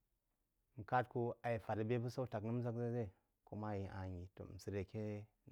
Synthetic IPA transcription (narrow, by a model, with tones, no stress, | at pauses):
m̩˨ka˦tku˦a˨ji˨fa˨ɾa˨be˦bu˦sa˦u˦ta˨knə˦m˦za˦kze˦ze˦˨ | ku˦ma˦ji˨ʔa˨ɲi˨to̰˨m̩˨si˨ɾe˨ke˦